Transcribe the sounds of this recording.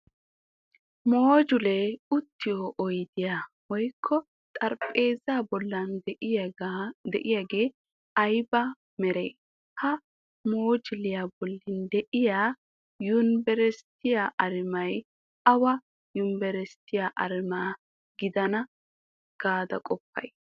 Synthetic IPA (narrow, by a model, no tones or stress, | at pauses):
moːd͡ʒʊlɛʊt̪ːɪjoːʔɔjd̪ɪja | wɔjkʰːɔ | t̪ʼɐɾpʼe̞ːzabɔlːɐn | d̪ɛ̰ʔɪjaɡe̞ː | ɐjbɐ | mɛɾe | hɐ | moːd͡ʒɪlɪjabɔlːɪnd̪ɛʔɪjaː | jʊnbɛɾɛst̪ɪjaʔɐɾɪmɐj | ɐwɐ | jʊmbɛɾɛst̪ːɪjaʔɐɾɪma | ɡɪd̪ɐnɐ | ɡ̥aːd̪ɐ̰kʼɔpːɐ̰j